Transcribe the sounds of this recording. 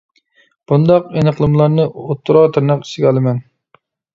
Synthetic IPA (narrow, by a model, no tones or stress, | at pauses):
b̥und̪ɑqenɨχlˠɨmɨlˠɑɾnɨot̪ːuɾɑːt̪ʰɨɾnɑqi̥sɪɡʲɛɑlˠɨmɛn